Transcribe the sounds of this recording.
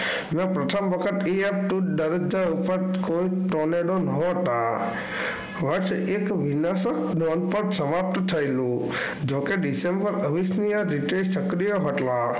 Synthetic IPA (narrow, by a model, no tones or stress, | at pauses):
mɛ̃pɾət̪ʰəmʋəkʰət̪iap̚ʈuɖəɾəd͡ʒaupəɾkoiʈoneɽonəɦt̪a | ʋəɾsekʋinasəknɔnpəɾsəmap̚t̪t̪ʰəjlũ | d͡ʒokeɖisembəɾəʋisnijaɾiʈesəkɾijəɦəʈla